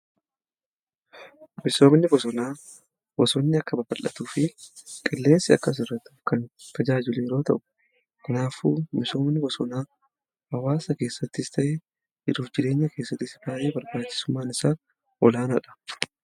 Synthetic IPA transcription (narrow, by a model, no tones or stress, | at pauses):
mɪso̞ːmnɪbɔsɔnaː | bɔsɔnːɪɐkːɐbɐbɐlːɐt̪uːfɪkʼɪlːe̞ːnsɪɐ̰kːɐs̬ɪrːɐt̪ːu̥fkɐnt̪ɐd͡ʒaːd͡ʒɪleːɛɾo̞ːt̪ɐʔʊ̥ | kʰɐnaːfuːmɪso̞ːmnɪbɔsɔnaː | hɐwaːsɐke̞ːsːɐt̪ːɪst̪ɐʔe | d͡ʒɪᶑuːfd͡ʒɪɾe̞ːɲːɐke̞ːsːɐt̪ːɪsɪbaːʔeːbɐɾbaːt͡ʃːɪ̥sʊmːaːnɪsaː | ʔɔlaːnɐᶑɐ̥